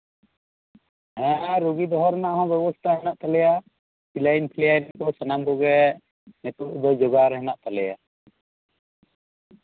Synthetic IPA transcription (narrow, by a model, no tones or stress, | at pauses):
ɦɛ̃ɾɔɡid̪ɔɦɔɾnaʔɦɔ̃bɛbɔst̪ʰaɦɛnaʔt̪alɛja | pʰilajnpʰiljajnkɔsanambɔɡɛ | nɛt̪uʔd̪ɔd͡ʒɔɡaɾɛɦɛnaʔt̪alɛja̰